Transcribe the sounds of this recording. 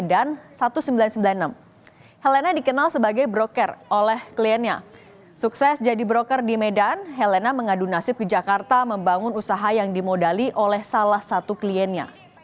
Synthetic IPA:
dansat̪usəmbilansəmbilannəm | hɛlenadikənalsəbaɡajbɾokərolɛhkliɛnja̰ | suksɛsd͡ʒadibɾokərdimɛdanɦɛlenaməŋadunasɪp̚ɡid͡ʒakart̪aməmbaŋʊnusaɦajaŋdimodaliʔolɛhsalahsat̪ukliɛnja̰

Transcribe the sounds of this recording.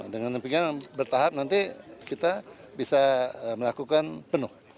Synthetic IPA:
dəŋanpiŋabərt̪aɦap̚nant̪ikit̪abisaməlakukanpənʊh

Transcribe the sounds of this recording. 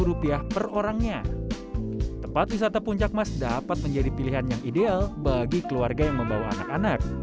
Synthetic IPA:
ɾupiahpəroɾaŋɲa | t̪əmpat̪̚wis̬at̪apuɲt͡ʃak̚masdapat̪̚məɲd͡ʒadipiliɦanjaŋidealbaɡikəluarɡajaŋməmbawa̰ːnakanak̚

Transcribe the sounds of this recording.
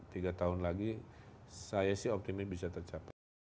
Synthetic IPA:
t̪iɡat̪aɦʊnlaɡi | sajasɪhɔp̚t̪imɪsbisat̪ərt͡ʃapa

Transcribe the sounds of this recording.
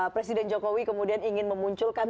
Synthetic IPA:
pɾesidɛnd͡ʒokowikəmudianiŋɪnməmuɲt͡ʃʊlkan

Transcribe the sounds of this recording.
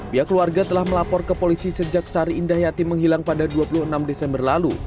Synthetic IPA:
biakəluarɡat̪əlahməlapɔrkəpolisisəd͡ʒak̚saɾiːndahjat̪iməŋɦilaŋpadaduapuluhənamdɛsɛmbərlalu

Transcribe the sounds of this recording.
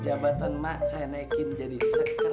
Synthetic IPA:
d͡ʒabat̪anmaʔsajanakind͡ʒadisək

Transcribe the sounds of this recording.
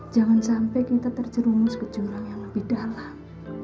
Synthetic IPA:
d͡ʒaŋansampɛkit̪at̪ərd͡ʒəɾumʊsɡ̥ə̥d͡ʒ̥unaŋjaŋləb̥ihd̥alam

